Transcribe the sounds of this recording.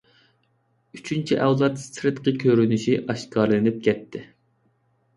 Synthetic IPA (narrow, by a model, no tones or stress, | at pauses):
yt͡ʃʰynt͡ʃʰiʔɛwlˠɑt̪st̪ɾɨt̪qəkʲʰøɾynyʃiʔɑʃkɑɾlɨnɪp̚kʲʰɛt̪ʰːɪ